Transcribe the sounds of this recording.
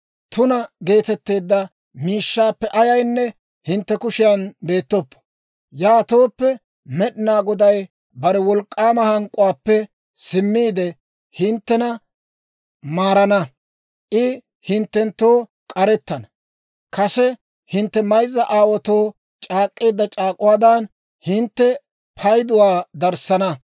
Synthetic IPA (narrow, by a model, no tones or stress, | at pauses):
t̪ʊnɐɡe̞ːt̪ɛt̪ːe̞ːd̪ːɐ | miːʃːaːpːɛʔɐjɐjnːɛ | hɪnt̪ːɛkʊʃɪjɐnbe̞ːt̪ːɔpːɔ̥ | jaːt̪o̞ːpːɛ | mɛɗɪnaːɡɔd̪ɐj | bɐɾɛwɔlkʼːaːmɐhɐŋkʼʊwaːpːɛ | sɪmːiːd̪ɛ | hɪnt̪ːɛnɐ | maːɾɐnɐ | ʔɪ | hɪnt̪ːɛnt̪ːoː | kʼɐɾɛt̪ːɐnɐ | kɐsɛ | hɪnt̪ːɛmɐjzːɐʔaːwɔt̪oː | t͡ʃʼaːkʼːeːd̪ːɐt͡ʃʼaːkʼʊwaːd̪ɐn | hɪnt̪ːɛ | pʰɐjd̪ʊwaːd̪ɐɾsɐnɐ